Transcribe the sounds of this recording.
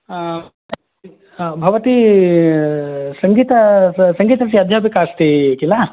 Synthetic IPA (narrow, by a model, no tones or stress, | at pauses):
bʱɐʋɐt̪i | sɐŋɡiːt̪ɐsɐŋɡiːt̪ɐsiɐd̪ʱjaːpikaːst̪iekila